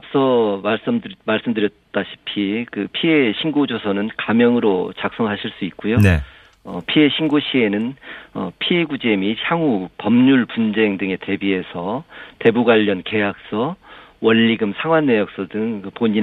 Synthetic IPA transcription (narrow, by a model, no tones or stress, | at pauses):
ap̚s͈ʌmaɭs͈ɯmmaɭs͈ɯmdɯɾjʌt̚t͈aɕʰi̥pʰikɯpʰie̞ɕʰiŋɡod͡ʑosʰʌnɯnkamjʌŋɯɾot͡ɕak̚s͈ʌŋɦaɕʰiɭs͈uit̚k͈ojone | ʌ̰pʰie̞ɕʰinɡoɕʰie̞nɯnʌ̰pʰie̞ɡud͡ʑe̞miɕʰaŋupʌmɲuɭpund͡ʑe̞ŋdɯŋe̞te̞bie̞sʰʌte̞buɡwaʎːʌnke̞jak̚s͈ʌ | wʌnːiɡɯmsʰaŋwanːe̞jʌk̚s͈ʌdɯŋkɯpoɲin